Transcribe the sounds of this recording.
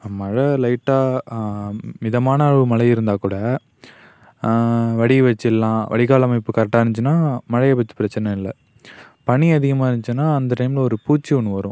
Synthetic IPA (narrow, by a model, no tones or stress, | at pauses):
ɐmːɐːɻɐlɐɪʈːaː | mɪðɐmaːnɐɯmɐɭɐɪɪɾɯnd̪aːkuːɽɐ | ʋɐɽiʋɐt͡ʃːɪlːãːʋɐ̰ɽɪɣaːlɐmɐɪpːɯkɐɾɐʈːaːnt͡ʃːɯnːaːmɐɻɐjɐpɐt͡ʃːɯ̥pɪɾɐt͡ʃːɐnɐ̃ɪlːɐ | pɐɳiɐðɪɣɐmaːɪnnt͡ʃɯnːaːɐnd̪ɐʈɐɪmɪlɔɾɯpuːt͡ʃːiʊɳːɯʋɐɾʊ̃